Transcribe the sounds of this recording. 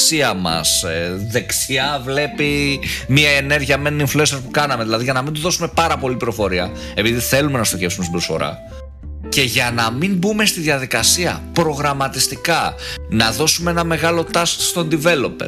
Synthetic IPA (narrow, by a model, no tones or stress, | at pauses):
siɐmɐ̰seðe̞ksiɐvle̞pimiɐene̞ɾʝiɐme̞nniɱfluenseɾpukɐnɐme̞ðilɐðiʝɐnɐmind̪uðo̞sume̞pɐɾɐpo̞lipɾo̞fo̞ɾiɐ | e̞piðiθe̞lume̞nɐst̪o̞çe̞fsumest̪ibɾosfo̞̰ɾɐ̰ | ce̞ʝɐnɐmimbume̞st̪iðʝɐðikɐsiɐ̰pɾo̞ɣɾɐmɐt̪ist̪ikɐnɐðo̞sumee̞nɐme̞ɣɐlo̞t̪ɐsst̪ond̪ive̞lo̞pe